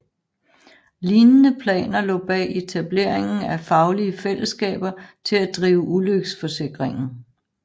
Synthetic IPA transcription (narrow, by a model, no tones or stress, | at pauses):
liːnənəpʰlɛ̰ːnɐlɔ̰̽ːb̥ɛ̰e̝t͡sʰæb̥le̝ɐ̰e̝ŋn̩æfɑ̈ʊliəfel̰əsɡ̥ɛ̰ːb̥ɐt͡sʰe̝læd̥ʁiːʊəʔuløɡ̥sfɒ̽se̝ɡ̥ʁeŋn̩